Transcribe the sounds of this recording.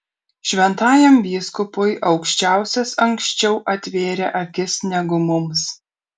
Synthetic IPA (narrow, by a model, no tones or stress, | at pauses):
ʃʲʋʲɛnt̪ɑːjɛmʋʲiːskʊpojʔɒʊkʃʲt͡ʃʲæˑʊsʲɛsɐŋkʃʲt͡ʃʲɛʊʔɐt̪ʲʋʲeːɾʲɛʔɐkʲɪsnʲɛɡʊmʊms